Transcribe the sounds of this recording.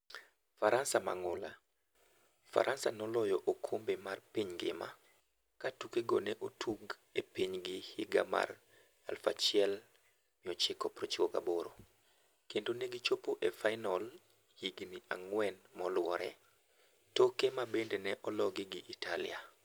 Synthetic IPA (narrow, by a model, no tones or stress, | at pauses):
faɾansama̰ŋʊla̰ | fa̰ɾʔansanɔlɔjɔʔokʰombemarpiɲɡɪ̰ma̰ | katukeɡonɛʔotʰuɡ | epiɲɡɪhiɡa̰ma̰r | a̰lfa̰t͡ʃɪɛl | mɪɔt͡ʃɪkɔpɾot͡ʃikoka̰boɾo̰ | kendoneɡɪt͡ʃopoʔefaɪnɔl | hiɡnia̰ŋwɛnmɔlwɔ̰ɾɛ̰ | tokemabendenɛʔɔlɔɡɪɡɪʔitalɪ̰a